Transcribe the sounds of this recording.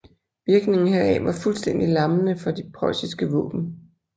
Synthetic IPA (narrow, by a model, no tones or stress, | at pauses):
ʋiɐɡ̥ne̝ŋn̩ɦeɐɛ̰ʋɑ̈fulsd̥en̰d̥ilɑ̈mənəfɒ̽d̥epʰʁɒ̽ɪsisɡ̥əʋɔ̰̽ːb̥n̩